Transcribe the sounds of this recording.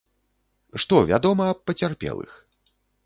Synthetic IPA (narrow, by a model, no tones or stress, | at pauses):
ʂt̪ɔvʲa̰d̪ɔmɐːp̚ːɐt͡sʲarpʲɛ̰lˠɨ̰x